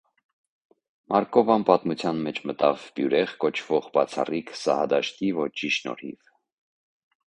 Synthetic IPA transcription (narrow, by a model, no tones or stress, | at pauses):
mʔɑɾkɔvɑnpɑt̪mut͡sʰjɑnmɛt͡ʃʰmət̪ɑvbjuɾɛʁkɔt͡ʃʰv̥ɔʁbɑt͡sʰɑ̰rikʰsɑ̰hɑd̪ɑʃt̪ivɔt͡ʃʰiʃnɔ̰ɾhḭv